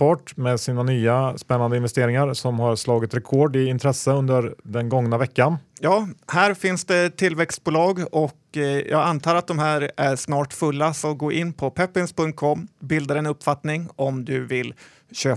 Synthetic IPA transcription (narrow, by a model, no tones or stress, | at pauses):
ɔʈːmeːsiːnanyːaspɛnːand̪əɪnvɛst̪eːɾɪŋaɾsɔmhaɾslɑːɡɪt̪ɾɛkʰoːɖɪɪnt̪ʰɾɛsːəɵnd̪əɾd̪ɛnɡɔŋnavɛkːanjɑːhæːɾfɪnsd̪ɛt̪ʰɪlvɛkst̪̚bʊːlɑːɡɔkjɑ̰ːɡant̪ʰɑːɾat̪̚d̪ɔmɦæːɾʔæʂnɑːʈfɵlːasɔɡoːʔɪnːpʰɔpʰɛpːɪnspɵŋt̪̚kʰɔmːbɪld̪aɾɛnɵpːfat̪nɪŋɔmd̪ɵvɪlː | ɕøː